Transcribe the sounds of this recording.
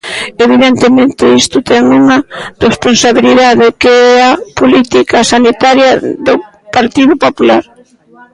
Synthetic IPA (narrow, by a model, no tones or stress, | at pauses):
eβiðent̪emẽnt̪ɪist̪ʊt̪ɛŋuŋɐresponsaβiliðaðɪkeɛɐpolit̪ikɐsanit̪aɾjɐðo | paɾt̪iðʊpopulaɾ